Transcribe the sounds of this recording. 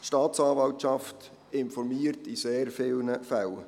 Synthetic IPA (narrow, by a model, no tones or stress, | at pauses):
ʃtɑːtsɑːvɑltʃɑft | ɪnfɔɾmiːəɾtiseːrfɪlnəfæl